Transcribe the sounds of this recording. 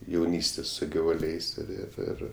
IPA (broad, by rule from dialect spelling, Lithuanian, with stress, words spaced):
jɛʊˈnʲiːsʲtʲeːs sʊ ɡʲɪʋʊˈlʲɛɪs ɪr ɪr ˈɪr